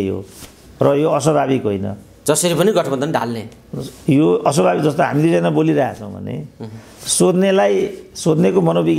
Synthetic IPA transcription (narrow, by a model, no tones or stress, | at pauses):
jo̰ | rʌjoʌs̬ʌbaβikɦojnʌ̰ | d͡zʌsʌɾipʌniɡʌʈʰʌbʌnd̪ʱʌnɖʱa̰lne | joʌsʌbabik̚d͡zʌst̪oɦa̰miled͡zʌjnʌboliɾaɦa̰t͡sʰʌw̃bʱʌ̰nḛ | sod̪nelajsod̪nekomʌnobik